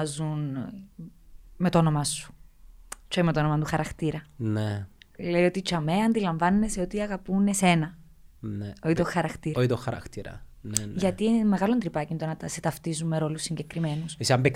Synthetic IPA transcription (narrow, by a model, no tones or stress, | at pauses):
zun | me̞t̪oonomɐsu̥ | t͡ʃoimet̪onomɐt̪uxɐɾɐxt̪iɾɐnele̞io̞t̪it͡ʃɐmeɐnd̪ilɐɱvɐnːeseo̞t̪iɐɣɐpunese̞nɐ | neoit̪oxɐɾɐxt̪iɾɐoit̪oxɐɾɐ̰xt̪iɾɐ̰nʝɐt̪ime̞ɣɐlo̞nd̪ɾipɐcind̪onɐt̪ɐset̪ɐft̪izumːe̞ɾo̞lusːiɲɟe̞kɾime̞nusesɐmbek